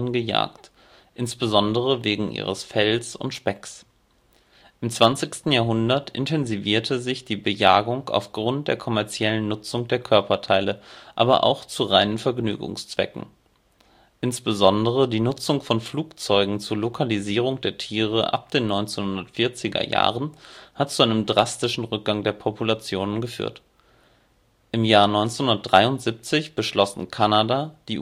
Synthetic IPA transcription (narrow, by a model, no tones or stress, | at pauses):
nɡəja̰ːkt | ʔɪnsb̥əzɔndəʁ̞əveːɡŋ̩ʔḭːʁə̰sfɛlsʊ̰ntʃpɛks | ʔɪmt͡sv̥ant͡sɪçstn̩jaːɦʊndɐtʰʔɪ̰ntʰɛnziviːɐtʰəzɪçd̥iːbəja̰ːɡʊŋa̰ʊfɡ̥ʁʊnt̚d̥ḛːɐkʰɔmɛɐt͡sjɛlənːʊt͡sʊŋd̥eːɐkʰœɐpɐtʰaɪləʔa̰ːbɐ̰ʔa̰ʊxt͡suʁaɪnənfɛɐɡny̰ːɡʊ̰ŋst͡sv̥ɛ̰kŋ̩ | ʔɪnsb̥əzɔndəʁ̞ədiːnʊt͡sʊŋfɔnfluːkt͡sɔʏɡŋ̩t͡suːɐlokʰaliziːʁ̞ʊŋd̥eːɐtʰiːʁəʔa̰p̚d̥eːnːɔʏnt͡senhʊndɐtfɪɐt͡sɪɡɐ̰ja̰ːʁənhatt͡suʔaɪnəmdʁastɪʃn̩ʁʏk̚ɡ̥aŋdeːɐpʰɔpʰulat͡sjoːnənɡəfy̰ːɐt | ʔɪmjaːɐnɔʏnt͡senhʊndɐtd̥ʁaɪʊntz̥ip̚t͡sɪçb̥əʃlɔsn̩kʰanadad̥iː